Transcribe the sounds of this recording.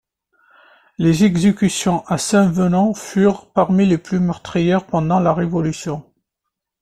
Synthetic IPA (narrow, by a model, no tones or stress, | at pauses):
lezɛɡzekʲysjɔ̃ʔasɛ̃vənɔ̃fyʁpaʁmileplymœʁt̪χijɛʁpɑ̃d̪ɑ̃laʁevɔlysjɔ̃